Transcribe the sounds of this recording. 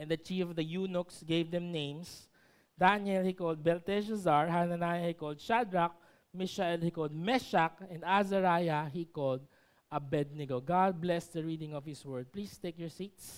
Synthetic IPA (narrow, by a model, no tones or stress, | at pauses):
ʔɛ̃nd̪ɐt͡ʃifɔvd̪ɐjunʊksɡeɪvd̪ɛ̃mnẽj̃ms | d̪anɛlhikold̪̚bɛlt̪ɛʃɐzaɹhanɐnajɐhikold̪̚ʃad̪ɹak̚ | mɪʃaɛlhikolˠd̪̚mɛʃak̚ɛ̃nd̪azɐɾajɐɦikold̪̚ | ɐbɛd̪̚nɪɡoɡad̪̚blɛsd̪ɐɹiːd̪ɪ̃ŋɔvhɪswɜɹd̪̚plist̪ejkjɔɹsit̪s